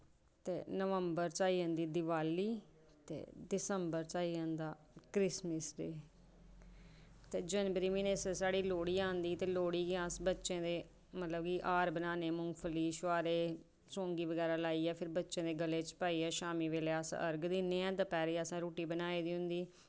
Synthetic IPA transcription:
t̪ḛːnəʋəmbəɾt͡ʃaːiːɦə̃nd̪iːd̪ɪʋaːliː | t̪ḛːdɪsəmbəɾt͡ʃaːiːɦə̃nd̪aː | kɾɪsməsɖeː | t̪eːd͡ʒənbəɾiːmiːneːssaːɽiːloːɽiːãːnd̪iːt̪eːloːɽiːɡãːsbətːʃẽːd̪eː | mət̪ləbkiːʔaːɾbənaːneːmʊŋɡpʰəliːʃaːɾeː | sõːŋɡiːʋəɡɛːɾaːlaːiːɛːpʰɪɾbətːʃẽːd̪eːɡəleːt͡ʃpaːiːɛːʃaːmiːʋeːleːaːsəɾɡd̪ɪnːẽːɛ̃ːt̪aːpɛːɾiːəsãːɾoːʈiːbənaːiːd̪iːɦʊ̃nd̪iː

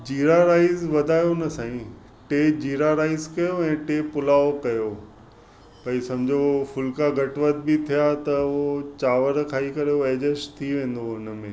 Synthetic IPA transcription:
d͡ʑiːɾaɾaːɪzʋɐd̪ʱaːjonɐsãːĩ | ʈeːd͡ʑiːɾaɾaːɪzkɐjoɛ̃ːʈeːpʊlaːokɐjo | pɐisɐmd͡ʑʱofʊlkaɡʱɐʈʋət̪̚bit̪ʰijat̪ɐot͡ɕaːʋəɾkʰaːikɐɾeoeːd͡ʑəst̪ʰiʋẽːn̆d̪oʊn̆mẽː

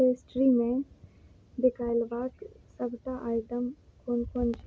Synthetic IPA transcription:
esʈɾimẽ | d̪ɪkaːɪlʋaːk | səbt̪aʔaːjɪʈəmkʰoːnkont͡ʃ

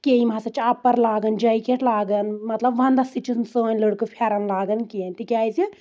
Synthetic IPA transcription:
keimaːsɐt͡ʃʰɐpːɐɾlaːɡɐnd͡ʒɐikeʈʰlaːɡɐnmɐt̪lɐbʋɐnd̪ɐsit͡ʃʰinsoːnləɽkɨpʰɛːɾɐnlaːɡɐnkeːnt̪ikʲaːjzi

